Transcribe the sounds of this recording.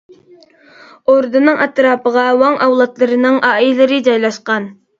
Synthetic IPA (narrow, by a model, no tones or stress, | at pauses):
oɾd̪ɨnɨŋʔɛt̪ɾɑːpəʁɑwɑŋʔɑwlˠɑt̪lˠɨɾɨnɨŋʔɑːilɨɾɪd͡ʒɑjlˠɑʃqɑn